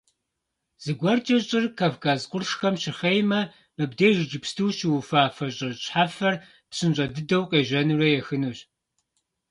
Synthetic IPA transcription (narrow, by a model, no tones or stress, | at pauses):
z̥ɨɡʷɐrt͡ʃʼɐɕʼɪrkʰaːvkʰaːzqʷʊrʂxɐmɕɪχejmɐ | mɨbdejʒɨd͡ʒɪpstʰɨwʃɪwufaːfɐɕʼɪrɕʼħafɐr | pɕɨnɕʼɐdɨdɐwqʼeːʒɐnuːrɐjɛxɨnuːɕ